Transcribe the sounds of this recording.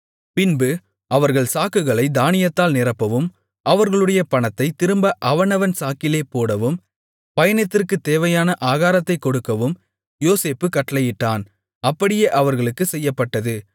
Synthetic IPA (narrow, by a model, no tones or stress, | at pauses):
pɪnbɯ | ɐʋɐɾɣɐɭsaːkɯɣɐɭɐɪd̪aːnɪjɐt̪ːaːlnɪrɐpːɐʋɯm | ʔɐʋɐɾɣɐɭɯɽɐjɐpɐɳɐt̪ːɐɪt̪ɪɾɯmbɐʔɐʋɐnɐʋɐnsaːkɪleːpoːɽɐʋɯm | pɐjɐnɪt̪ːɪrkɯt̪ːeːʋɐjaːnɐʔaːɣaːɾɐt̪ːɐɪkɔɽɯkːɐʋɯm | joːseːpːɯkɐʈːɐlɐjɪʈːaːn | ɐpːɐɽɪjeːʔɐʋɐɾɣɐɭɯkːɯsɛjːɐpːɐʈːɐðɯ